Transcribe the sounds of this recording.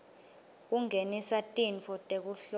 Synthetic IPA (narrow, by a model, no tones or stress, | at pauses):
k̬uŋʱenisatʼinfɔtʼek̬uɬ